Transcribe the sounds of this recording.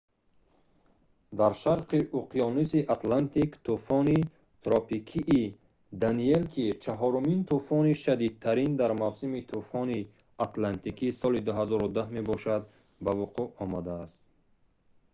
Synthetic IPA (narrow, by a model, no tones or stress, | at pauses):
d̪aɾʃaɾqiʔuqʰijɔnisiʔat̪lant̪ʰikt̪ʰufɔni | t̪ɾɔpikʰiʔː | d̪anielkʰit͡ʃʰaɦɔɾumint̪ʰufɔniʃad̪id̪̚t̪ʰaɾind̪aɾmawsimit̪ʰufɔni | at̪lant̪ikʰisɔlid̪uɦazɔɾud̪ahme̞bɔʃad̪ | bavuqʰuʔɔmad̪aːst̪̚